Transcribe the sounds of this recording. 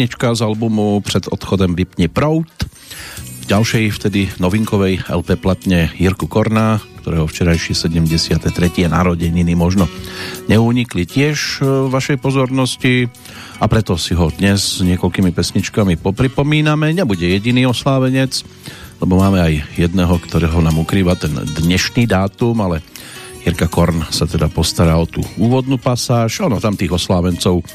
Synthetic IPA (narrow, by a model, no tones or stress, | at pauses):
ɲit͡ʃkazalbumupɾɛd̪ɔ̰t̪xɔd̪ɔmʋipɲɛpɾɔʊt̪ | ɟalʃɛjft̪ɛd̪inɔʋiŋkɔʋɛjɛ̰lpɛːplat̪ɲɛjiɾkukɔɾnakt̪ɔɾɛːɦɔft͡ʃɛɾajʃɪɛsɛɟɛmɟɛsɪat̪ɛt̪ɾɛcɪɛna̰ɾɔɟɛɲinimɔʒnɔɲɛuɲiklicɪɛʃʋaʃɛjpɔzɔɾnɔsci | apɾɛt̪ɔsiɦɔd̪ɲɛzzɲɪɛkɔlkiːmipɛsɲit͡ʃkamipɔpɾipɔmiːnamɛɲɛbuɟɛjɛɟiniːɔslaːʋɛɲɛt͡s | lɛbɔmaːmɛajjɛd̪nɛɦɔkt̪ɔɾɛɦɔnaːmukɾiːʋat̪ɛnd̪ɲɛʃniːd̪aːt̪umalɛjɛɾkakɔɾnsat̪ɛd̪apɔst̪aɾaːɔt̪uːuːʋɔd̪nupasaːʒɔnɔt̪amt̪iːɣɔslaːʋɛnt͡sɔʊ